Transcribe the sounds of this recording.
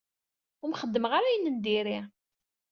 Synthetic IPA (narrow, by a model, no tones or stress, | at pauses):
ʊɾmχəd̪ːəməʁaɾajənːənd̪iɾi